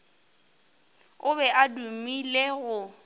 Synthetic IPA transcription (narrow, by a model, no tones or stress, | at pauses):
ʊbɛʔadumileɣʊ